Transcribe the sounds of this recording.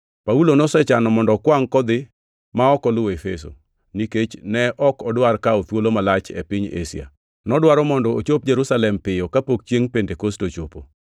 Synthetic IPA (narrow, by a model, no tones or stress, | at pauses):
paulonɔsɛt͡ʃanɔmɔndɔkwaŋkɔd̪ɪ | maɔkɔlʊwefeso̰ | niket͡ʃnɛʔɔkɔdwarkaot̪wolomalat͡ʃɛ̰pɪɲḛsḭa̰ | nɔdwaɾɔmɔndɔot͡ʃop̚d͡ʒeɾusalɛmpɪjɔkapok̚t͡ʃjeŋpendekostot͡ʃopo̰